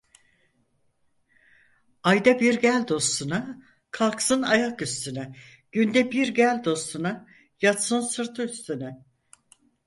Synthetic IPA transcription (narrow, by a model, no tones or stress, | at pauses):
ajd̪abiɾɟælʲd̪o̞st̪ʰuna | kʰalˠksɯnajakyst̪ʰynɛ | ɟ̥ynd̪ɛbiɾɟælʲd̪o̞st̪ʰuna | jat̪sɯnsɯɾt̪ʰɯyst̪ʰynɛ